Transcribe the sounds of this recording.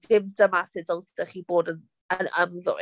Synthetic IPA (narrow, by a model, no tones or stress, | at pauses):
dɪmdəmasɪdəlˠstəχiːboːdən | ənəmðɔ̰